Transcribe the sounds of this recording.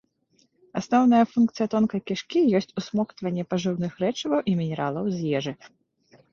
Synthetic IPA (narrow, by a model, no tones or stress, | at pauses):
asnɔwnɐjɐfunkt̪sɨjɐt̪ɔnkɐkʲiʂkʲijɔsʲt͡sʲusmɔxt̪vɐnʲːɛpaʐɨwnɨxɾɛt͡ʂɐvɐwʔimʲinʲɛɾalˠɐwzʲjɛʐɨ